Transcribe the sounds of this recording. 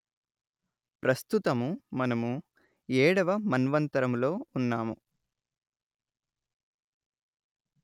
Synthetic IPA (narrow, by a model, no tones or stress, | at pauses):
pɾɐst̪ut̪ɐmumɐnɐmu | ɛːɽɐʋɐmɐnʋɐnt̪ɐɾɐmlo̞ːunːaːmṵ